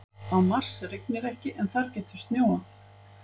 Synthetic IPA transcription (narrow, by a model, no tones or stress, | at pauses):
θaðmar̥sɛɾeknɪɾɛhcɪʔɛnθaɾcɛːht̪ʏ̥st̪njoːwaθ